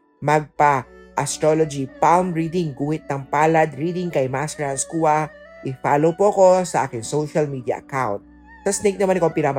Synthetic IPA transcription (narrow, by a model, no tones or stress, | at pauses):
mɐɡ̚pɐʔɐst̪ɾolod͡ʒipalmɹid̪ɪŋɡuːhɪt̪̚nɐŋpaːlɐd̪ɹiːd̪ɪŋkɐjmast̪ɛɹɐnskuːɐ | ʔɪfaːlowpoʔɐko̞sɐʔaːkɪŋsowʃɐlmiːd̪jɐ̰ʔɐ̰kawnt̪̚ | sɐsnɛjk̚nɐmanɪkompiɾam